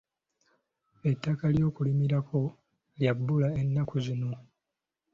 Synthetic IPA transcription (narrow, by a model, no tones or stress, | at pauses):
e̞tːakaljo̞ːkulimiɾakʰo̞ | ljabːulae̞nːakuzino̞